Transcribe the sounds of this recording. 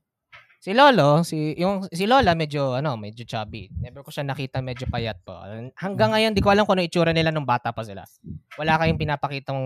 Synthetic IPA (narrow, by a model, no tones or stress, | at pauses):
sɪloːlosɪjʊŋsɪlo̞ːlɐmɛd͡ʒoʔɐno̞mɛd͡ʒot͡ʃa̰ːbɪ̰mɛbɾɛkoʃanɐkiːt̪ɐmɛd͡ʒopɐjat̪̚po̰hɐŋɡaŋːɐjond̪ɪkoʔɐlamkonɪʔɪt͡ʃuːɾɐnɪlanʊŋbaːt̪ɐpɐsɪla̰wɐlaːkɐjʊŋpɪnaːpɐkiːt̪ɐ